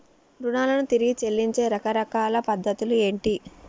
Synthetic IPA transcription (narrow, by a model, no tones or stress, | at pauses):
ɾunaːlɐnut̪iɾiɡit͡ʃe̞lːiɲt͡ʃe̞ːɾɐkɐɾɐkaːlɐpɐd̪ʱːɐt̪ulue̞ːɳʈi